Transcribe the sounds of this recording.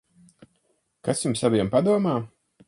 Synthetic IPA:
kasʲjumsavʲiɛmpad̪uɔmaː

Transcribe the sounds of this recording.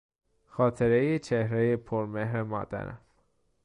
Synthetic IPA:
χɑt̪ʰɛɾɛjit͡ʃʰɛhɾɛjipʰɔɾmɛɦɾɛmɑ̰t̪ɛ̰nə̰

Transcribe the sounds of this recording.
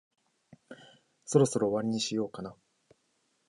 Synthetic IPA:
so̞ɾo̞so̞ɾoːβaɾʲiɲ̟iɕijo̞ːkana

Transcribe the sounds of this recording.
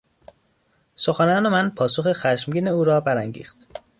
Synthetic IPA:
soxænɒːnemænpʰɒːso̞xexæʃmɡiːneuːɾɒːbæɾæŋɟḭːxt̪

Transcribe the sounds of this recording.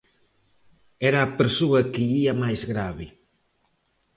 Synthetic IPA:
ɛɾɐːpeɾsoɐkɪʎiɐmajzɣɾaβɪ

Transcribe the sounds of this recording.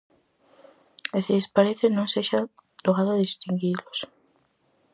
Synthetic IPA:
esiðespaɾeθɪnõŋseʃat̪oɣaðʊaðist̪iŋɡilos

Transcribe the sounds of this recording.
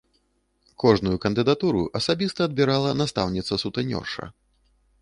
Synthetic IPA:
kɔʐnujukɐnd̪ɨd̪at̪uɾuʔɐsabʲist̪ɐːd̪̚bʲiɾalˠɐnast̪a̰wnʲit̪sɐsut̪ɐnʲɔ̰rʂɐ̰

